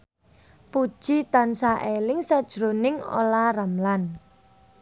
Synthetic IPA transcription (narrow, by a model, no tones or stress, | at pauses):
pud̥ʒ̥it̪ansaʔelɪŋsad̥ʒ̥ɾonɪŋo̰laramlan